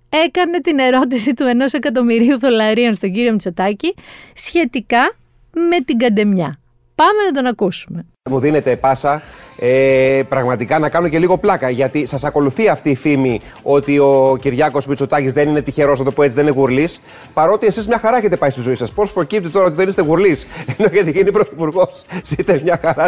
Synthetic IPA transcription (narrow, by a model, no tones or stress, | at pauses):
e̞kɐne̞t̪ine̞ɾo̞t̪isit̪ue̞no̞se̞kɐt̪̬o̞miɾiuðo̞lɐɾio̞nst̪o̞ɟiɾio̞mit͡so̞t̪ɐcisçe̞t̪ikɐ | me̞t̪iɡɐnd̪e̞mɲɐ | pɐmenɐt̪o̞nɐkusume̞ | muðine̞t̪e̞pɐsɐepɾɐɣmɐt̪ikɐnɐkɐnoce̞liɣo̞plɐkɐʝɐt̪isɐsɐko̞luθiɐft̪iːfimi | o̞t̪io̞ciɾʝɐko̞smit͡so̞t̪ɐcizðe̞nine̞t̪içe̞ɾo̞snɐt̪o̞poet͡siðeineɣuɾlis | pɐɾo̞t̪ie̞sizmɲɐxɐɾɐeçet̪epɐist̪izo̞isɐspo̞spɾo̞cip̚t̪it̪o̞ɾɐot̪iðenist̪eɣuɾlise̞no̞ʝɐt̪iʝinipɾo̞θipuɾɣo̞ssit̪ezmɲɐxɐɾɐ